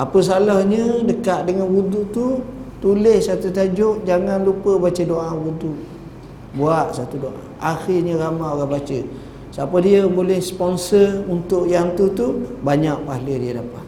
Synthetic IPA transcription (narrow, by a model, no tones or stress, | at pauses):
apəs̬alahɲədəkaʔ̪̚dəŋanwuduʔt̪ut̪ulɪhsat̪ut̪ad͡ʒʊʔd͡ʒaŋanlupəbat͡ʃədoʔawuduʔ | buaʔ̪sat̪udoʔa̰ | axiɲəɾamaoɾabat͡ʃə | sapədiəbolɛhspɔnsərunt̪ʊʔjaŋt̪ut̪ubaɲaʔ̚pahlədiədapa̰